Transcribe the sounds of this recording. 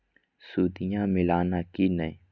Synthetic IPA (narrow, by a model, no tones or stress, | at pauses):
suːd̪ɪjãːmɪlaːnaːkiːnəĩ